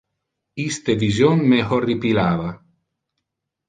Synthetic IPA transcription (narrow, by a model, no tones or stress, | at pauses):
ist̪evizjonmehoɾipilaːva